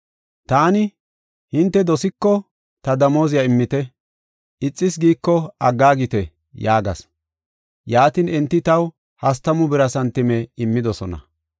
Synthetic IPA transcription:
t̪aːnɪ | hɪnt̪ːɛd̪ɔsɪkːɔ | t̪ɐd̪ɐmo̞ːzɪjɐɪmːɪt̪ɛ | ɪt͡sʼːɪsɡiːkːɔɐɡːaːɡɪt̪ɛ | jaːɡɐ̰s | jaːt̪ɪnɛnt̪ːɪt̪ɐw | hɐs̬t̪ɐmʊbɪɾɐsɐnt̪ːɪmɛɪmːɪd̪ɔsɔnɐ̰

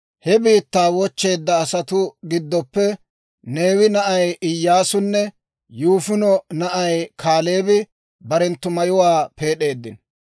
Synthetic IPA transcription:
hɛbiːt̪ːaːwɔt͡ʃːe̞ːd̪ːɐːsɐt̪ʊɡɪd̪ːɔpːɛ | ne̞ːwɪnɐʔɐjɪjːaːsʊnːɛ | juːfɪnɔnɐʔɐjkʰaːle̞ːbɪ | bɐɾɛnt̪ːʊmɐjʊwaːpe̞ːɗe̞ːd̪ːɪn

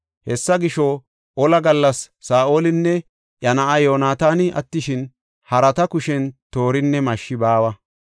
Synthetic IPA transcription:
hɛsːɐɡɪʃɔ | ʔɔlɐɡɐlːɐsːaːʔoːlɪnːɛ | ʔjɐnɐʔɐjo̞ːnaːt̪aːnɪʔɐ̰t̪ːɪʃɪn | hɐɾɐt̪ɐkʊʃɛnt̪o̞ːɾɪnːɛmɐʃːɪbaːwɐ

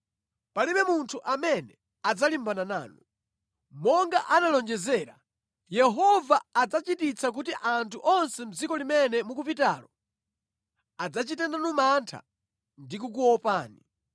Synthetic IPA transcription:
paliɓɛmuntʰuʔamɛnɛ | ad͡zalimbanana̰ːnu | mɔŋɡaʔanalɔnd͡ʒɛzɛːɾa | jɛɦɔvaːd͡zat͡ʃitit͡sʰak̬utiʔantʰuʔɔnsɛm̩d͡zikɔlimɛnɛmukup̬ita̰ːlɔ | ad͡zat͡ʃitɛnanumantʰa̰ | ndikuk̬uɔpaːni

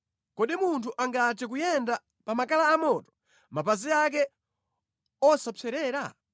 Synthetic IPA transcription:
kɔɗimuntʰuʔaŋɡat͡ʃɛk̬ujɛnda | pamakalaːmɔtɔ̥ | mapaziak̬ɛ | ɔsapɛɾɛːɾa̰

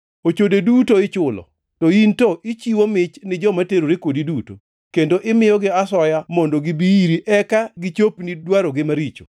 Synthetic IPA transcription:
ot͡ʃodedutoɪt͡ʃʊlɔ̰ | tɔintɔʔit͡ʃiwomɪt͡ʃnɪd͡ʒɔmateɾoɾekodiduto̰ | kendoʔɪmɪjɔɡɪasɔjamɔndoɡɪbiiɾiʔɛkaɡɪt͡ʃopnidwaɾoɡɪmaɾit͡ʃo̰

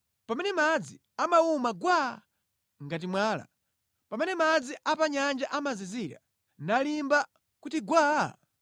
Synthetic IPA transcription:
pamɛnɛmad͡zi | amaumaɡwa | ŋɡat̬imwaːla̰ | pamɛnɛmad͡ziʔapaɲand͡ʒaʔamaziziɾa̰ | nalimba | kutiɡwaː

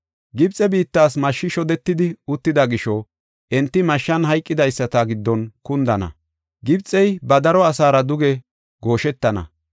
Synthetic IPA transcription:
ɡɪbt͡sʼːɛbiːt̪ːaːs̬mɐʃːɪʃɔd̪ɛt̪ːɪd̪ɪʊt̪ːɪd̪ɐɡɪʃɔ | ʔɛnt̪ːɪmɐʃːɐnɦɐjkʼːɪd̪ɐjsːɐt̪ɐɡɪd̪ːɔnkʊnd̪ɐnɐ̰ | ɡɪbt͡sʼːɛjbɐd̪ɐɾɔɐsaːɾɐd̪ʊɡɛ | ɡo̞ːʃɛt̪ːɐnɐ̰

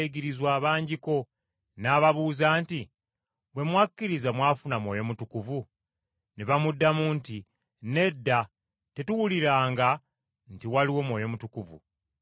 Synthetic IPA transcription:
eɡiɾizwaːβaːɲɟiko̞ | naːβaβuːzaːnti | βwe̞mwakːiɾizamwaːfunamwo̞ːjo̞mutukuvu | neβamudːamunti | ne̞dːa | te̞tuwuliɾaːŋɡa | ntiwaliwo̞mwo̞ːjo̞mutukuvṵ

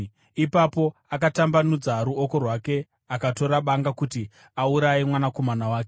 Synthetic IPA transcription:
ipapo̞akatambanud͡zaɾuoko̞rwake̞ | akato̞ɾaɓaŋɡakuti | auɾajimwanako̞manawaːke

